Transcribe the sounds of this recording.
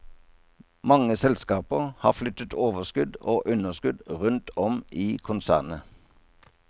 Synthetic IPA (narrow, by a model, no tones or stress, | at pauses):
mɑŋəsɛlskɑːpəʁhɑ̰ːʁflʏt̪ət̪ʰoːʋəskʉd̪oːʔʉnəʁskʉd̪ʁʉnt̪ʰɔmʔiːkʰʊnsæ̰ːʁnə